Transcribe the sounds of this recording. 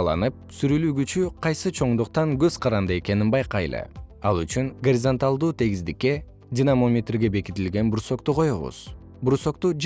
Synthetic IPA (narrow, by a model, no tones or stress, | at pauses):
lˠɑ̰nɯp̚syɾylyːɡyt͡ʃyqʰɑjsɯt͡ʃʰo̞ɴd̪uqt̪ɑŋɡøzqʰɑɾɑnd̪ɯe̞ke̞ninbɑjqɑjlˠɯ̰ɑlˠyt͡ʃyŋɡoɾʲizont̪alˠd̪uːt̪ʰe̞ɡizd̪ikːe̞ | dʲinamo̞mʲet̪rɡe̞be̞kit̪ilɡe̞nbuɾso̞qt̪uqʰo̞joβṵz̥ | buɾso̞qt̪ud͡ʒ